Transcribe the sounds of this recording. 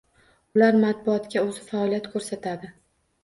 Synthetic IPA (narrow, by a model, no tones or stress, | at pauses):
ʊlaɾmat̪̚bʊɒt̪kʲaɵzɪfaɒlijat̪kʰɵɾsat̪ʰad̪ɪ